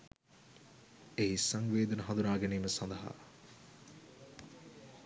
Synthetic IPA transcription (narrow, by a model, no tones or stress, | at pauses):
ejsɐŋʋeːd̪ɐnɐɦɐnd̪unaːɡeniːməsɐnd̪ɐɦa̰